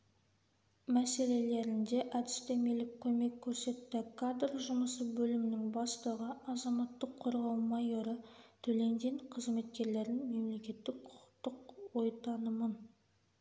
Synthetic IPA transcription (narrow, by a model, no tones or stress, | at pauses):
mæse̞le̞le̞ɾɪnd̪e̞ʔæd̪ɪst̪e̞me̞lɪkʲʰːɵme̞kʲʰːɵɾse̞t̪ːɪkʰad̪rʒʊməsəbɵlɪmɪnɪŋbɑst̪əʁəɑzɑmɑt̪ːəqʰːo̞ɾʁɑwmɑjoɾət̪ʰɵle̞ŋd̪eɴqʰəzme̞t̪̚kʲe̞ɾle̞ɾɪnme̞mle̞kʲe̞t̪ːɪk̚qʰʊ̥qt̪ːəqwo̞jt̪ɑnəmən